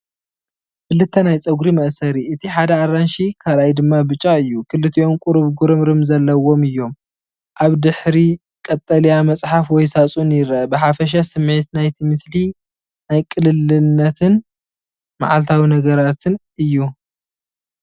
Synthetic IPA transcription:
fɨlːɨt̪ʰːɐnajt͡sʼɐɡɾimɐʔsɐɾiɨt̪ʰiħad̪ɐaɾanʃikʰalajd̪ɨmːabɨt͡ʃʼːaɨjːukʰɨlːɨt̪ʰiʔomkʼʊɾɨβɡuɾɨmɾɨmzɐlːɐwo̞mɨjːo̞m | ʔaβd̪ɨħɾi | kʼɐt̪ʼːɐlijamɐt͡sʼħafwɔjsat͡sʼunjɪɾɐɐbɨħafɐʃ̬asɨmʕit̪najt̪ʰimɨsli | najkʼɨlɨlɨnːɐt̪ʰɨn | ma̰ʕalt̪ʰawinɐɡɐɾat̪ʰɨn | ɨjːu

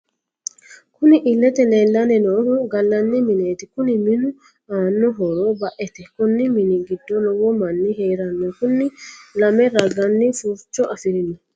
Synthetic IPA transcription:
kʊnɪʔɪlːɛt̪ɛleːlːɐnɛnoːhʊɡɐlːɐnːɪmɪneːt̪ɪkʊnɪmɪnʊ | aːnːɔɦɔɾobɐʔɛt̪ɛkʊnːɪmɪnɪɡɪd̪ːɔnɔwɔmɐnːɪheːɾɐnːɔkʊnːɪlɐmɛɾɐɡɐnːɪfuːɾt͡ʃːɔʔɐfɪɾɪnɔ

